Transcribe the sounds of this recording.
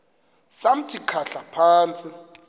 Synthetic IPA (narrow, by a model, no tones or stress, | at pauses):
sam̩tʰikʰaɬapʰaːnt͡sʼi